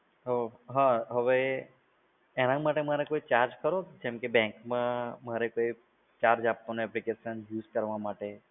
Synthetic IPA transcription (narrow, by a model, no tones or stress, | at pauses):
ɦoɦãɦəʋe | nãmaʈemaɾekoit͡ʃaɾd͡ʒkəɾod͡ʒɛ̃mkebɛ̃ŋkmãməɾekoi | t͡ʃaɾd͡ʒab̚t̪oneɛplikeʃənjuːzkəɾʋamaʈe